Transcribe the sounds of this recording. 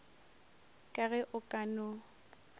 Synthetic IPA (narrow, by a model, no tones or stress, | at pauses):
kʼaɣɛʔʊkʼanʊ